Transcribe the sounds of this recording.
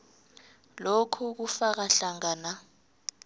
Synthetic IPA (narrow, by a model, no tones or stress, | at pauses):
lokʰuk̬ufak̬aɬaŋaːna